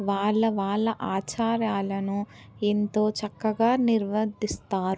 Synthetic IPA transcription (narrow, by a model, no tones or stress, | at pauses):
ʋaːɭːɐʋaːɭːɐʔaːt͡ʃaːɾjaːlɐnu | ent̪o̞ːt͡ʃɐkːɐɡaːniɾʋɐd̪ist̪aːɾ